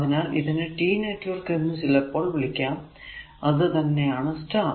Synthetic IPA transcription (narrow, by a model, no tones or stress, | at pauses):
ðinaːliðɐnɨʈiːnɐjʈːoːrkɐnːɨsilɐpːoːɭʋiɭikʲːaːm | ɐðɨt̪ɐnːeaːɳɐsʈa